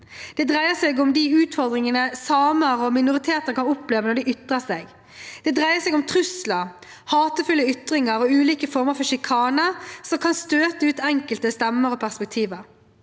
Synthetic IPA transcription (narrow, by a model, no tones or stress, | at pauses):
d̪̥ɛd̪ʁæɪəsɛːɡʊmd̪iʉːt̪fɔɾd̪ʁɪŋənəsɑːməɾɔmɪnʊʁɪt̪ʰeːt̪ənəkɑnʊpleːʋənɔɖɪʏt̪ʁəseɡ | d̪̥ɛd̪ʁæɪəsɛːɡʊmt̪ʰʁʉsləʁ | hɑːt̪əfʉlːəʏt̪ʁɪŋəɾɔʉːliːkəfɔɾməɾfɔʃɪkʰɑːnəsɔmkʰɑnst̪øːt̪əʉːt̪ɛŋkəlt̪əst̪ɛmːəɾɔpʰæʁspɛk̚t̪ʰiːʋəɾ